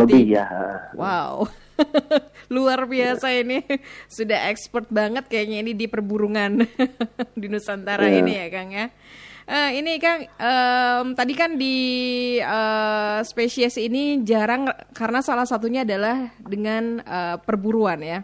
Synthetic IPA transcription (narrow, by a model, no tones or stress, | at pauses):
lət̪ijawʔaw | luarbiassainisudaɦɛkspɔrt̪̚baŋət̪̚kajak̚ɲainidipərbuɾuŋan | dunusant̪aɾainijakanja | ʔəinikanʔəmt̪adikandi | əspesiɛsinid͡ʒaɾaŋkarənasalahsat̪uɲaːdalahdəŋanəːpərbuɾuanja